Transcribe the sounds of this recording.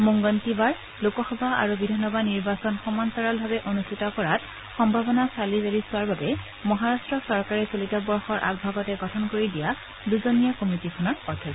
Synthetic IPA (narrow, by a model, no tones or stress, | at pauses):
moŋɡɔntibaɹ | lokɔxɔbʱaa̰ɹubidʱɔnɔbadniɹbasɔnxɔmantɔɹalbʱabɛʔonustʰitɔkɔɹat | xɔmbʱabɔnasalizeɹisʊwaɹbabɛ | mɔɦaɹastɹɔksɔɹkaɹɛsolitɔbɔɹxɔɹʔa̰ɡ̚bʱaɡɔtɛɡɔtʰɔnkoɹidija | duzonijakomitikʰɔnɔɹɔɹtʰi